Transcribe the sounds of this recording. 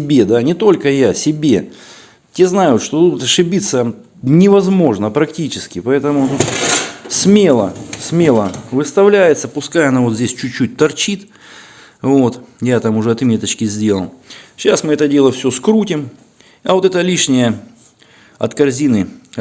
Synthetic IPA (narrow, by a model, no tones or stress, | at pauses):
bʲe̞d̪anʲɪt̪o̞lʲkəjasʲɪbʲe̞ | tʲe̞znajʊt̪ʂt̪od̪ud̪ʊt̪ɐʂɨbʲit̪sə | nʲɪvɐzmo̞ʐnəpɾɐktʲit͡ɕɪskʲɪpɐɛt̪əmʊt̪ut̪sʲmʲelˠəsmʲe̞lˠəvɨst̪ɐvlʲæjɪt̪səpʊskajɐnavot̪zʲesʲt͡ɕʊt͡ɕːut̚ʲt̪ɐrt͡ɕit̪ | vo̞t̪jat̪amʊʐɛɐt̪mʲe̞t̪ət͡ɕkʲɪzʲdʲe̞lˠəlˠɕasmɨɛt̪ədʲe̞lˠəfsʲo̞skɾutʲɪm | ɐvo̞t̪ɛt̪əlʲiʂnʲɪjə | ɐ̰t̪kɐrzʲinɨ